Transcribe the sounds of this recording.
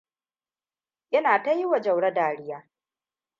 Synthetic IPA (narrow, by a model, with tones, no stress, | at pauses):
ʔɪ˦naː˨ta˦jɪ˦wa˨d͡ʒɐ˨wɽɐ˦daː˨ɽɪ˦jaː˦